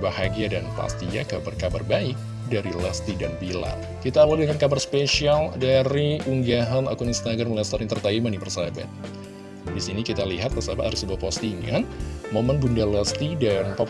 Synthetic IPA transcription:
bahaɡiadanpa̰st̪ia̰kabarkabarbaɪk̚ | daɾilast̪idanbila̰ | kit̪aːwaldəŋankabarspesialdaɾiuŋɡaɦana̰kuninst̪aɡɾamlɛst̪aɾɪŋt̪ərt̪aimanipərsaba̰t̪̚ | disinikit̪aliɦat̪̚pərsabat̪aɾɪsəbuapost̪iŋanmomənbundalast̪idanpa

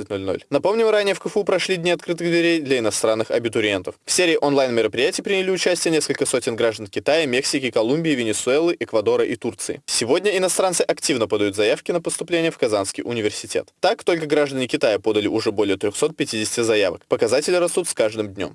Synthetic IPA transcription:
ɨtʲno̞lʲno̰lʲnɐpo̞mnʲɪmɾanʲɪjəfkəfupɾɐʂlʲidʲnʲiɐt̪kɾɨt̪ɨɣd̪vʲɪɾʲejd̪lʲɐɪnɐst̪ɾanːɨxɐ̰bʲɪt̪ʊɾʲɪent̪əffsʲeɾʲɪːʔonlˠajnmʲɪɾəpɾʲɪjætʲɪːpɾʲɪnʲɪlʲiʊt͡ɕæsʲtʲɪjənʲe̞skəlʲkəso̞tʲɪnɡɾaʐd̪ənkʲɪt̪ajəmʲe̞ksʲɪkʲɪkɐlˠumʲbʲɪːvʲɪnʲɪsʊɛlˠɨʔɛkvɐd̪o̞ɾəʔit̪urt̪sɨɪ̰sʲɪvo̞dʲnʲəɪnɐst̪ɾant̪sɨʔɐktʲivnəpəd̪ɐjut̪zɐjafkʲɪnəpəst̪ʊplʲenʲɪjəfkɐzanskʲɪjʔʊnʲɪvʲɪrsʲɪtʲe̞̰t̪t̪ːakt̪o̞lʲkəɡɾaʐd̪ənʲɪkʲɪt̪ajəpo̞d̪əlʲɪʔʊʐɛbo̞lʲɪjət̪ɾʲoxso̞t̪̚pʲɪtʲidʲɪsʲtʲɪzɐjavə̰kpəkɐzatʲɪlʲɪrɐst̪ut̪skaʐd̪ɨmd̪ʲnʲo̞̰m

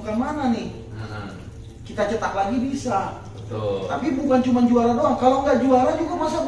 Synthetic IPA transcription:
kanmananɪh | kit̪at͡ʃət̪aklaɡibisa | ət̪t̪apibukant͡ʃumand͡ʒualadoaŋkaloŋɡaʔd͡ʒualad͡ʒuɡamas̬a

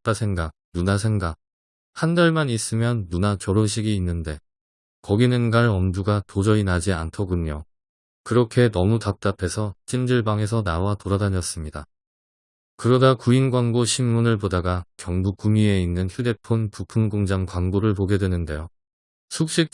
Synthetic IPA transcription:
tasʰe̞ŋɡak̚nunasʰe̞ŋɡak̚ | handaɭmanis͈ɯmjʌnːunat͡ɕʌɾonɕ̬ʰiɡiːnːɯnde̞ | kʌɡinɯnɡaɾʌmduɡatod͡ʑʌinad͡ʑiantʰʌɡuɲo | kɯɾʌkʰe̞nʌmutak̚t͈apʰe̞sʰʌt͡ɕ͈ʰind͡ʑɯɭbaŋe̞s̬ʰʌnawatoɾadaɲʌs͈ɯmɲida | kɯɾʌdakuinɡwaŋɡoɕʰimːunɯɭpodaɡakjʌŋbukumie̞inːɯnçjude̞pʰonpupʰɯŋɡoŋd͡ʑaŋkwaŋboɾɯɭpoɡe̞dwe̞nɯnde̞jo | sʰuk̚ɕ͈ik̚

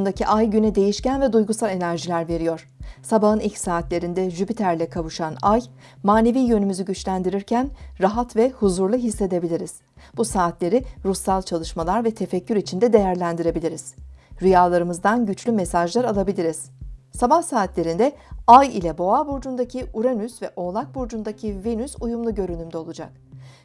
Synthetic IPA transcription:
und̪acʰiʔajɟynɛd̪e̞jiʃcænvɛd̪ujɡusalʲˠe̞næɾʒilʲæɾve̞ɾijo̞ɾ̥sabaɦɯnilʲcsaːt̪lʲe̞ɾind̪ɛʒypit̪ʰæɾlʲɛkʰavuʃanaj | maːne̞viːjø̞nymyzyɟyt͡ʃlʲænd̪iɾiɾcʰænɾaɦat̪vɛhuzuɾlˠuɦisːe̞d̪e̞bilʲiɾiz̥ | b̥usaːt̪lʲe̞ɾiɾusːalˠt͡ʃʰalˠɯʃmalˠaɾvɛt̪ʰe̞fɛcːyɾit͡ʃʰind̪ɛd̪e̞jæɾlʲænd̪iɾe̞bilʲiɾiz̥ɾijalˠaɾɯmɯzd̪anɟyt͡ʃlʲymesaʒlˠaɾalˠabilʲiɾiz̥sabahsaːt̪lʲe̞ɾind̪ɛajḭlʲɛbo̞abuɾd͡ʒund̪acʰiuɾanysvɛʔo̞lˠak̚buɾd͡ʒund̪acʰivenysujumlˠuɟø̞ɾynymd̪ɛo̞lˠud͡ʒa̰k̚

